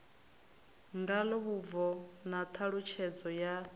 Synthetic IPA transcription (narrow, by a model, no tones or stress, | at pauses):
ŋɡalɔβub̪vɔnat̪ʰaɺut͡ʃʰɛd͡zɔja